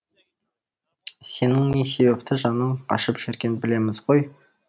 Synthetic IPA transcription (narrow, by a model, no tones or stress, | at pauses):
se̞nɪŋne̞se̞be̞p̚t̪ɪʒɑnəɴʰɑ̰ʃəpʒ̥eɾkʲenbɪle̞mɪzʁoj